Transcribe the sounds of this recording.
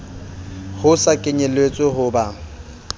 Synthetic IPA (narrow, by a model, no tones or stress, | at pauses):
hʊsakʼɪɲɛlwet͡sʼɔɦʊba